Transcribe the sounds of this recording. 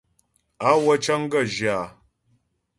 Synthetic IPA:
a˦wa˦t͡ʃa˦ŋ˦ɡa˦˨ʒa˨

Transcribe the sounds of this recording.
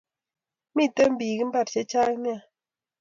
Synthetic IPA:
mi˦˨tə˦m̩˦bi˨ɡi˦m̩˦ba˦˨t̚t͡ʃe˦t͡ʃa˦kni˦a˨

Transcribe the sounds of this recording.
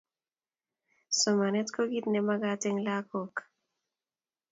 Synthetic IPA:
sɔ˨ma˨nɛ˦tko˦ɡit̪nɛ˨ma˦ɡatɛ˦ŋlakok

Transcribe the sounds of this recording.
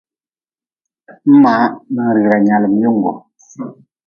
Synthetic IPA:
m̩˦ma˨˦mə˨ŋ˨ɾɾa˨ɲa˨lə˨m˦ju˦˨ŋ˨ɡɔ̰˨

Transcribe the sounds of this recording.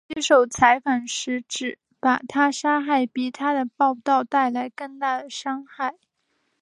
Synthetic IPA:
ɛ˥ʂo˨˩ʊt͡sʰa˧˥ɪfa˨˩nʂɻ̩˧˥ʈ͡ʂɻ̩˨˩˦ | pa˨˩t̪ʰa˥ʂa˥xa˥˩ɪpi˨˩t̪ʰa˥d̪ə˨pɑ˥˧ʊt̪ɑ˥˧ʊt̪a˥˩ɪla˧˥ɪkɤ˥˧ŋt̪a˥˩d̪ə˩ʂɑ˥ŋxa˥˩ɪ

